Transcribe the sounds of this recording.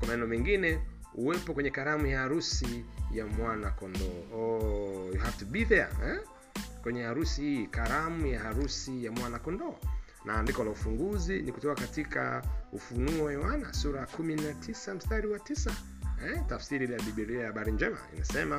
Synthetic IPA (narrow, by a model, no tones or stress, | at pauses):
kwamanɛnɛɔmɛŋɡinɛ | uɛpɔkwɛɲɛkaɾamujaaɾusijamwanakɔndɔː | juhaftubiðɛ̰ɛ | kwɛɲɛaɾusihikaɾamujahaɾusijamwanakɔndɔː | nʔaːndikɔlaufuŋɡuzinikutɔkakatika̰ufunuɔɛwana̰suɾakuminatʰisam̩staɾiwatisa | ɛtafsiɾilaɓiɓilijahaɓaɾiɲd͡ʒɛma̰ḭnasɛma